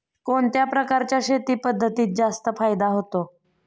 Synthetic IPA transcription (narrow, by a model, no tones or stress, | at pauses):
koɳt̪japɾəkaɾt͡ɕjaɕet̪iːpəd̪ʱːət̪iːt̪̚d͡zast̪əfajd̪aɦot̪o